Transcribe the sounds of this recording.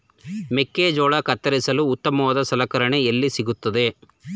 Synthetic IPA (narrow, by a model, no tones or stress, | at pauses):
mekːeːd͡ʒɔːɭɐkɐt̪ːɐɾisɐluːt̪ːɐmɐʋɐd̪ɐsɐlɐkɐɾɐɳeelːisiɡut̪ːɐd̪e̞